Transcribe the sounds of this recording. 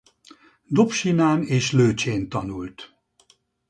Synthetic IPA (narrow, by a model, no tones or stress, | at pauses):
d̪opʃinaːneːʃløːt͡ʃeːnt̪ɒnult̪